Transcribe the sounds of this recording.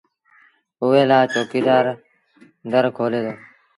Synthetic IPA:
ʊʋeːlaːt͡ʃoːkiːd̪aːɾ | d̪əɾkʰoːleːd̪oː

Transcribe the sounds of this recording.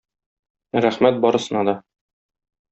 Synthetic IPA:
ɾæχmæt̪̚bɒɾɤ̆sɤ̆nɑd̪ɒ

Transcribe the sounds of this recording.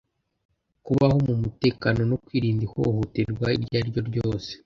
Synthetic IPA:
kuβaho̞mumute̞ːkano̞nokwiːɾiːndiho̞̰hoteɾɡwaiɾɟaːɾɟo̞ɾɟo̞ːse̥

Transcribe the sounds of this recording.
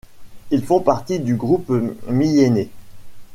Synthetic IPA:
ilfɔ̃paʁt̪id̪yɡʁupmijene

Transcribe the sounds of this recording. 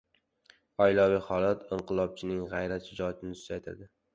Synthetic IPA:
ɒjlɒwiχɒlˠat̪ʰɪɴqʰɨlˠɒb̚t͡ʃʰɪnɪŋʁɑjɾaʃɪd͡ʒɒjat̪ʰɪnɪsʊ̥t̪ajt̪ʰɪ̰ɾd̪ɪ

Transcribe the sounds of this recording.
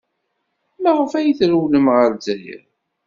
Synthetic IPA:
mæʁəfæjəθɾuwləmʁəɾzæjə̰ɾ

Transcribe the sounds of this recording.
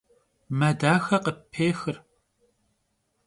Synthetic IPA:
mɐdaːxɐqəpʰːeːxɨr

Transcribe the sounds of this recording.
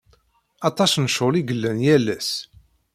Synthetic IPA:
ɑt̪ˤɑsnəʃʊliɡəlːænjælːæs

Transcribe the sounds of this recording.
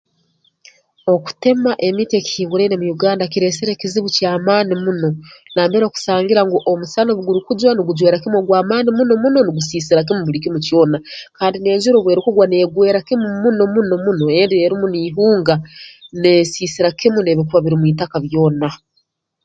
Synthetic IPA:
o̞ku̥te̞maʔe̞miteki̥hiːŋɡuɾenemujuɡaːndakiɾe̞ːseɾekiziβucaːmaːnimuno̞naːmbeɾoːku̥saːŋɡiɾaŋɡuʔomusanoβuɡuɾikud͡ʒwaniɡud͡ʒwe̞ːɾakimɡwaːmaːnimunomuno̞niɡusiːsiɾak̬imuβuɾikimucjo̞ːnakaːndine̞ːɲʒuɾoβwe̞ɾikuɡwane̞ɡwe̞ːɾakimumuno̞muno̞muno̞e̞ndieɾimuniːɦuːŋɡaneːsiːsiɾakimune̞βikuβaβiɾimwiːtakaβjo̞ːna

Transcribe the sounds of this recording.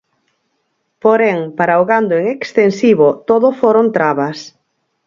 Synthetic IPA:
poɾɛŋpaɾaoɣand̪oeŋekst̪ensiβot̪oðʊfoɾont̪ɾaβɐs

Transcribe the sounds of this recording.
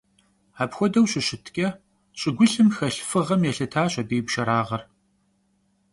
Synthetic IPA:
aːpxʷɔdɐwɕɪɕɪtʰkʲʼɐ | ɕʼɪɡʷʊɬɨmxɐɬfɨʁɐmjɛɬɐtʰaːɕʼɐbeːpʃɐɾaːʁɐr

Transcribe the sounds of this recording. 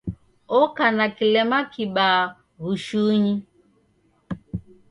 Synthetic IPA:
ɔkanakilɛmakiɓaː | ɣuʃuɲi

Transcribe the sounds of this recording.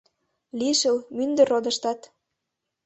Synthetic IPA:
liʃə̆lmynd̪ə̆rod̪ə̆ʃt̪ɑt̪

